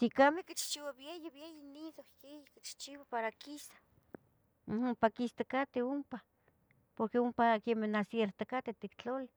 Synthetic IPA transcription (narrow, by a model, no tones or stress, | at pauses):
t̪ikamekit͡ʃt͡ʃiwaβjejeβjejiniðokejikit͡ʃt͡ʃiwapaɾakisḁ | umpakist̪akat̪eumpa | poɾkeumpakemenasjeɾt̪akat̪et̪ikt͡ɬoli